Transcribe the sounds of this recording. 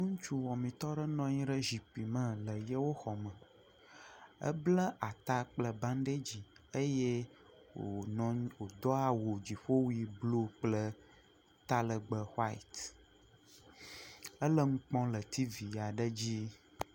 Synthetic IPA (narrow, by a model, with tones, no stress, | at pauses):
nũ˦ŋ̩˦t͡ʃu˦wɔ̃˨mĩ˨t̪ɔ˦ɖə˦nɔ̃˦ɲĩ˦ɖə˦ʒi˨pi˨mə̃˨lə˨je˦wo˦xɔ˨mə̃˨ | ə̰˦blə˦ʔa˨t̪a˦k͡plə˦bã˦n˦ɖe˦d͡ʑi˨e˦je˦ | wo˨ɔ̃˨˦wo˨d̪ɔ˦a˦wo˨d͡ʑi˨ɸo˦wi˨blu˦k͡plə˦ | t̪a˦lə˨ɡ͡bə˨xwa˦ḭ˨t̪ | ə˦lə˦ŋũ˦k͡pɔ̃˦lə˨t̪i˦vi˨a˨ɖə˦d͡ʑi˦